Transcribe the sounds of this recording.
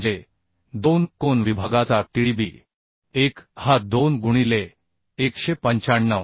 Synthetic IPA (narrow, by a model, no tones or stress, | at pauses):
d͡ʑe | d̪onkonʋibʱaɡat͡saʈiɽibiː | ekhad̪onɡuɽ̃ile | ekɕepəɲt͡ɕaɳːə